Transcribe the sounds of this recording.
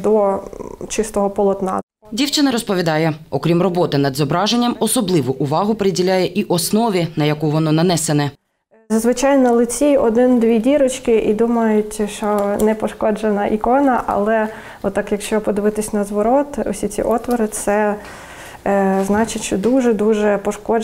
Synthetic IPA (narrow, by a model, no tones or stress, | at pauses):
d̪ɔt͡ʃɪst̪ɔɦɔpɔlˠɔt̪nɑ̰ | dʲiwt͡ʃɪnɐɾɔspɔʋʲid̪ɑjɛɔkɾʲimrɔbɔt̪ɪnɐd̪zɔbɾɑʒenʲːɐmɔsɔblˠɪʋʊʔʊʋɑɦʊpeɾɪdʲilʲajɛʔiʔɔsnɔʋʲinɐjɐkuʋɔnɔnɐnɛsenɛ | zɐzʋɪt͡ʃɑjnɔlˠɪt͡sʲiɔd̪ɪnd̪ʋʲidʲiɾɔt͡ʃkɪʔid̪umɐjʊtʲʃonɛpɔʃkɔd͡ʒenɐʔikɔnɐʔɐ̰lˠɛ | ɔt̪ːɑkjɐkʃt͡ʃɔpɔd̪ɪʋɪt̪ɪsʲnɐzʋɔɾɔt̪ɔ̰sʲit͡sʲḭʔɔt̪ʋɔɾɪt̪sɛ | znɑt͡ʃɪʃt͡ʃɔd̪uʒɛd̪uʒɛpɔʃkɔd͡ʒ